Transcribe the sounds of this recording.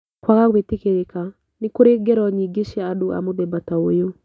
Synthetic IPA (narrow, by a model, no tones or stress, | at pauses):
kwaɣakwetekeɾeka | nikoɾeɡɛɾɔɲiɡeʃaːdoʔa̰moðɛbataojo